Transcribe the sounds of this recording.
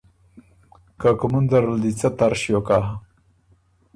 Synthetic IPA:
kakumund̪aɾəld̪it͡sat̪aɾʃjokaɦ

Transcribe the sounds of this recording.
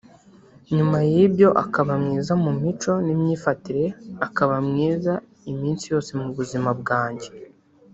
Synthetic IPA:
ɲumajibjo̞ʔa̰kaβamŋiːzamumit͡ʃo̞nimɲiːfatiɾe̞akaβamŋiːza | imiːnsijo̞ːse̞muβuzimabɡaːɲɟe̞

